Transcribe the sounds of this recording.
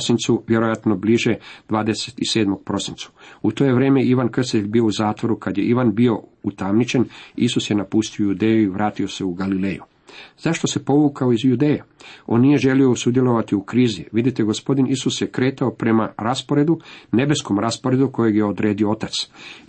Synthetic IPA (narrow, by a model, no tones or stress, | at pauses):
sint̪suʋjeɾojat̪no̞bliʒe̞d̪ʋaːd̪e̞set̪ise̞ːd̪mo̞ɡ̚pɾo̞sint̪sḁut̪o̞je̞ʋɾe̞ːmejiʋankr̩st̪it̪eʎʲbiːo̞uzaːt̪ʋo̞ɾukad̪je̞̰ʔiʋanbio̞ut̪amnit͡ʃe̞nisusje̞napust̪iojud̪e̞ːjuiʋɾʔaːt̪io̞se̞uɡalile̞ːjṵ | z̥aʃt̪o̞se̞po̞ʋukaoizjud̪e̞ːjeo̞̰nːije̞ʒe̞lio̞usud̪jelo̞ʋat̪iukɾiːziʋid̪it̪eɡo̞spo̞d̪inʔisusjekɾe̞ːt̪aopɾe̞maɾaspo̞ɾe̞d̪une̞be̞sko̞mɾaspoɾe̞d̪uko̞jeɡje̞o̞d̪ɾe̞ːd̪io̞o̞t̪at̪s